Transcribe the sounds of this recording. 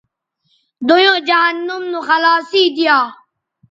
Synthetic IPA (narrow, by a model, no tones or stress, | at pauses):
d̪ojõːd͡ʒaɦanːʊmnũxɐlaːsiːd̪ɪjaː